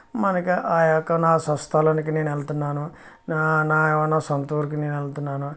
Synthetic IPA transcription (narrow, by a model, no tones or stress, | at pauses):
mɐnɐkiʔaːjɔkːɐnaːsɐst̪ʰɐlɐnik̬ineːnɛlɐt̪unːaːnu | nnaːʋɐnasɐnt̪uːɾkineːnɛlɐt̪unːaːnu